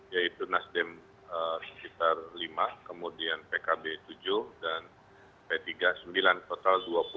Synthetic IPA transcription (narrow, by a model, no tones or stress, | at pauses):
jait̪unasdɛm | əsə̥kit̪arlimakəmudianpekabet̪ud͡ʒʊhdan | pet̪iɡasəmbilant̪ot̪alduapu